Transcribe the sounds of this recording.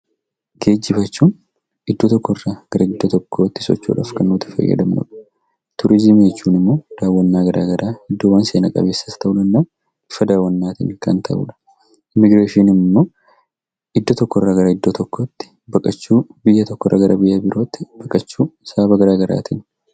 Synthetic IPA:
ɡ̥e̞ːd͡ʒːɪfɐt͡ʃːuːn | ɪd̪ːot̪ɔkːɔrːaːɡ̥ɐɾɐɪd̪ːot̪ɔkʰːo̞ːt̪ːɪ̥sɔ̰t͡ʃːṵːᶑa̰ːfkɐnːuːt̪ːɪ̥fɐ̰jːɐ̰d̪ɐmnʊ̰ᶑɐ̥ | t̪ʊɾɪzɪmeːt͡ʃːuːnɪmːo̞ːd̪̥aːwːɐnːaːɡɐɾa̰ːɡɐɾaːɪd̪ːoːwɐnseːnɐkʼɐ̰be̞ːsːɐst̪ʰɐʔʊnɐmːo̞ː | ɪfɐd̪aːwːɐnːaːt̪ɪ̰ːnkɐnt̪ʰɐʔṵːᶑɐ̥ | mɪɡɾeːʃiːnɪmmːo̞ː | ʔɪd̪ːoːt̪ɔkːɔrːaːɡɐɾɐɪd̪ːot̪ɔkːo̞ːt̪ːɪ̥ | bɐkʼɐt͡ʃːuːbɪjːɐt̪ɔkːɔrːɐ̰ɡɐɾʔɐbɪjːabɪɾo̞ːt̪ːɪb̥ɐkʼɐt͡ʃːuːsaːbɐɡɐɾaːɡɐɾa̰ːt̪ɪn

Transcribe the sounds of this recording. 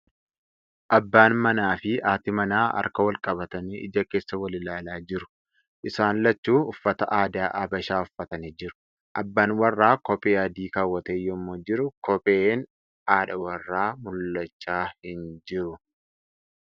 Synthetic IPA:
ʔɐbːaːnmɐnaːfɪʔaːt̪ɪmɐnaːʔɐ̰ɾkɐwɐlkʼɐbɐt̪ɐniʔɪ̰d͡ʒɐke̞ːsːɐwɐlɪlaːlaːd͡ʒɪɾʊ̥ | ʔɪsaːnlɐt͡ʃːuːʊfːɐt̪ɐʔaːd̪aːʔɐbɐʃaːʊfːɐt̪ɐnid͡ʒɪɾʊ̥ | ʔɐbːaːnwɐrːaːkɔpʼeːɐd̪iːkaːwːɐt̪eːjɔmːoːd͡ʒɪɾʊkɔpʼeːn | ʔaːᶑɐwɐrːaːmʊlːɐt͡ʃːaːhɪnd͡ʒɪɾʊ

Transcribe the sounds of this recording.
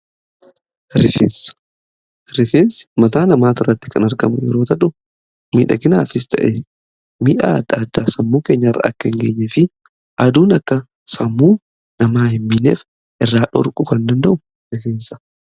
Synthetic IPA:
ɾɪfens | ɾɪfeːnsmɐt̪aːnɐmaːt̪ɪrːɐt̪ːɪ̥kɐnɐɾɡɐmʊjɛ̰ɾo̞ːt̪ɐᶑʊ | miːᶑɐ̰ɡɪnaːfɪs̬t̪ʰɐ̰ʔe | miːᶑaːɐd̪ːaːd̪ːaːsɐmːuːkeːɲːɐɪrːɐ̰ɐ̰kːɐhɪŋɡeːɲːɛfɪ | ʔɐd̪uːnɐkːɐ | sɐmːuː | nɐmaːhɪmːiːnḛːf | ʔɪrːaːᶑɔ̰ɾkʼʊkɐnd̪ɐnd̪ɐʔʊ | nɛfeːnsɐ̥

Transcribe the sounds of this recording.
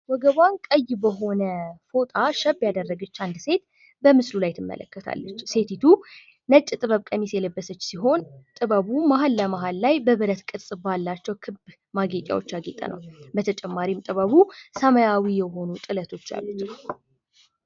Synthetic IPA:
wɔɡəβwankʼəjːbəɦo̞nəfo̞t̪ʼaʃəbːjad̪ərːəɡət͡ʃːand̪se̞t̪ | bəmɨslulajt̪ʰɨmːə̰lə̰kːət̪ʰa̰lːət͡ʃːse̞t̪ʰit̪ʰu | nət͡ʃʼːt̪ʼɨβəβkʼəmisjɛləbːəsət͡ʃːsiɦo̞nt̪ʼɨβəβumaɦalːəmaɦalːajbəβɨɾət̪kʼɨsʼɨbalːat͡ʃːɛwkʰɨb | maɡek̪ʼja̰wo̞t͡ʃːaɡet̪ʼːə̰nʔə̰wbət̪ʰət͡ʃʼɛmːaɾimt̪ʼɨβəβusəməjawijɛɦo̞nut̪ʼɨlət̪ʰo̞t͡ʃːa̰lːət͡ʃːw

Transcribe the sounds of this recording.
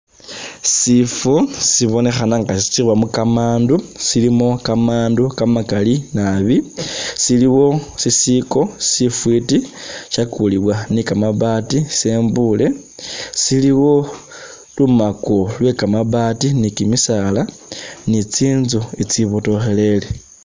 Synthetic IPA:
sifusiβo̞ne̞xanaŋɡasisi̥t͡sirwamukamaːndusilimo̞kamaːndukamakalinaβisiliwo̞sisiko̞sifwitiʃakuliβwanikamaβatiseːmbule̞ | siliwo̞ | lumakolwe̞kamaβatinikimisala | nit͡siːnzoit͡siβoto̞xe̞le̞le

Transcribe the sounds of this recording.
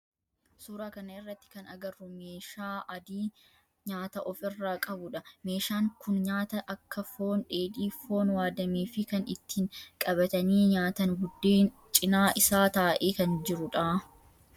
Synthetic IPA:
suːɾaːkɐnɐɪrːɐt̪ːɪ̥kɐnɐɡɐrːʊme̞ːʃaːʔɐd̪iː | ɲaːt̪ɐʔɔfɪrːaːkʼɐbʊᶑɐme̞ːʃaːŋkʊnɲaːt̪ɐʔɐkːɐfo̞ːnᶑeːᶑ̪iːfo̞ːnwaːd̪ɐmeːfɪkɐnɪt̪ːiŋkʼɐbɐt̪ɐniːɲaːt̪ɐnbʊd̪ːeːn | t͡ʃʼɪnaːʔɪsaːt̪aːʔeːkɐnd͡ʒɪɾʊᶑaː

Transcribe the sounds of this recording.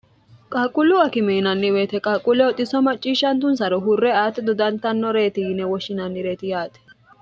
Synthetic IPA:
kʼaːkʼʊlːʊɐkɪmɛɪnɐnːɪweːt̪ɛkʼaːkʼʊlːɛɔt̪ʼɪsɔmɐt͡ʃʼːiːʃːɐnt̪ʊnsɐɾɔɦʊrːɛaːt̪ːɛd̪ɔd̪ɐnt̪ɐnːɔɾeːt̪ɪjɪnɛwɔʃːɪnɐnːɪɾeːt̪ɪjaːt̪ɛ̥

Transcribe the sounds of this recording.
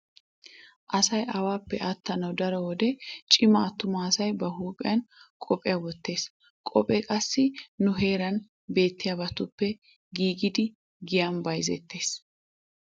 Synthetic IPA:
ʔɐsɐjʔɐwaːpːɛʔɐt̪ːɐnɐwd̪ɐɾɔwɔd̪ɛt͡ʃʼɪmɐːt̪ːʊmaːsɐjbɐhuːpʼɪ̰jɐnkʼɔpʼɪjɐwɔt̪ːe̞ːs | kʼɔpʼɛkʼɐsːɪnʊɦe̞ːɾɐn | be̞ːt̪ːɪjɐbɐt̪ːʊpːɛ | ɡiːɡɪd̪ɪ | ɡɪjɐnbɐjzɛ̰t̪ːe̞ːs

